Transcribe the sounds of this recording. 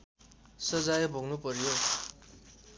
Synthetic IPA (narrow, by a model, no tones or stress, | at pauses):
sʌd͡zajbʱoŋnupʌɾjo